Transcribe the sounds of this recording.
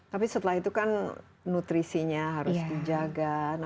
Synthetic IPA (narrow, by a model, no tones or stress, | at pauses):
t̪apisət̪əlahit̪ukan | nut̪ɾisiɲaɦaɾʊsdid͡ʒaɡana